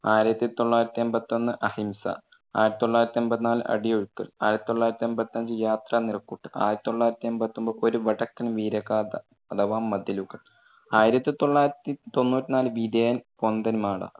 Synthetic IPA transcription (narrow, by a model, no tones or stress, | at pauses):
aːjiɾɐt̪ːit̪o̞ɭːaːjiɾɐt̪ːiembɐt̪ːo̞nːɨʔɐhimsɐ̰ | aːjiɾɐt̪ːit̪oɭːaːjɾɐt̪ːiembɐt̪ːinaːlɨ̰ʔɐ̰ɽijoɻukːɐɭaːjiɾɐt̪ːit̪oɭːaːjiɾɐt̪ːiembɐt̪ːinɐɲd͡ʑɨjaːt̪rɐnirɐkːuʈːɨ̥ʔa̰ːjɾɐt̪ːit̪oɭːaːjiɾɐt̪ːiembɐt̪ːombɐʔoɾuʋɐʈɐkːɐnʋiːɾɐɣaːd̪ɐ | ɐd̪ɐʋaːmːɐd̪ɐluɣɐɭ | aːjiɾɐt̪ːɨt̪o̞ɭːaːjiɾɐt̪ːit̪o̞nːuːtːinaːlɨʋid̪ejɐnpond̪ɐnmaːɽa̰